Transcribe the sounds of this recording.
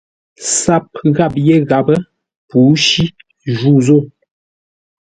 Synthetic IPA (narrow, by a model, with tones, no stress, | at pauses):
sa˦p̚ɣa˦˨p̚je˦ɣa˨bə˦ | pu˨˦ʃi˦ | ʒu˦˨zo˦˨